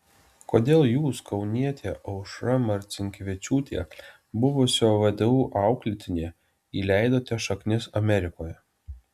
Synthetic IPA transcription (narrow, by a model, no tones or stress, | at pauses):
koːd̪ʲeːlˠjuːskʰɒʊnʲiɛt̪ʲeːʔɐʊʃɾɐmɐɾʲt̪sʲɪŋʲkʲʋʲɪt͡ʃʲuːt̪ʲḛː | bʊʋʊsʲoːʋɐd̪ʲɛuːʔɑˑʊklʲɪt̪ʲɪnʲeː | iːlʲæɪd̪oːt̪ʲɛʃɐknʲɪsɐmʲɛɾʲɪkoːjɛ